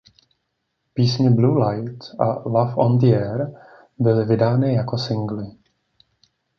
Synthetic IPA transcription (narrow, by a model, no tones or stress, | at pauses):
piːsɲɛbluːlajt̪ʔalafʔo̰nd̪ɪjɛɾ | bɪlɪvɪdaːnɪjako̞sɪŋɡlɪ